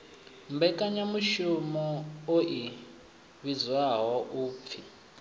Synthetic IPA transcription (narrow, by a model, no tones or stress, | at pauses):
mbɛkʼaɲamuʃumɔoʔi | βizwaɦɔʔuːp̪fʰi